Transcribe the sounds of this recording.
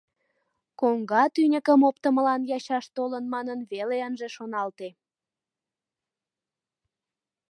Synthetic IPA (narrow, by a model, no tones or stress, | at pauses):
koŋɡɑt̪ynʲəkəmopt̪əməlɑnjɑɕɑʃt̪olənmɑnənβeleənʒeʃonɑlt̪e